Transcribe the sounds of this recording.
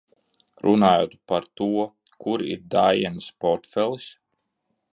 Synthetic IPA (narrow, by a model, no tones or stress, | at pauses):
ɾunaːjoːt̪paɾt̪uɔ | kuɾḭɾd̪aːjɛnspɔɾt̪fɛlˠs